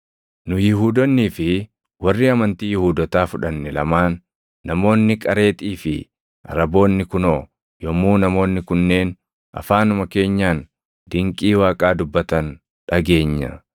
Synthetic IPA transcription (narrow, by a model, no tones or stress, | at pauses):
nʊjɪɦuːd̪ɔnːiːfɪ | wɐrːiːɐmɐnt̪iːjɪhuːd̪ɐt̪aːfʊᶑɐnːɪlɐ̰maːnː | ɐmo̞ːnːɪkʼɐɾe̞ːt̪ʼiːfɪ | ɐ̰ɾɐbo̞ːnːɪkʊnoː | jɔmːuːnɐmo̞ːnːɪkʊnːe̞ːn | ʔɐ̰faːnʊmɐke̞ːɲːaːn | d̪ɪŋkʼiːwaːkʼaːd̪ʊbːɐt̪ɐn | ᶑɐɡe̞ːɲːɐ̰